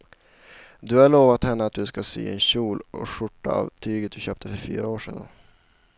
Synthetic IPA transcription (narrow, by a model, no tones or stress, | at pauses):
d̪ɵhaɭoːvat̪hɛnːəat̪̚d̪ɵskasy̰ːɛnɕuːlʔɔ̰ʂʊʈːa̰a̰vt̪ʰyːɡət̪̚d̪ɵɕøːp̚t̪ʰəfœɾfy̰ːɾaoːʂḛːd̪ə̰n